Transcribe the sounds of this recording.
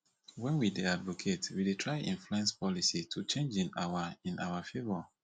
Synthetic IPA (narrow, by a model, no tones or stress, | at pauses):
wɛ̃nwideadvokʰetwidetʰɹaɪʔḭ̃nfluɛ̃nspɔlisitʰut͡ʃẽnd͡ʒĩna̰waĩnawafevɔ